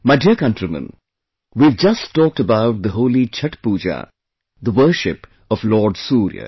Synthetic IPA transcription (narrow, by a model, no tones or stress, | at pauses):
maɪɖiəkʌ̃nʈɾimə̰̃n | ʋiːʋd͡ʒɐsɔːk̚ʈəbaʊʈ̚d̪əɦoːlit͡ʃʰɐʈpuːd͡ʒa̰ | d̪əʋəːʃɪp | ɔʋlɔːɾɖsuːɾjə̰